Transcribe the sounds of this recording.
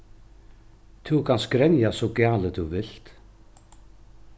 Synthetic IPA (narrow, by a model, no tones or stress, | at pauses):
t̪ʰukʰanskɾɛnjasɔwcjaːlɪt̪ʰuvɪl̥t̪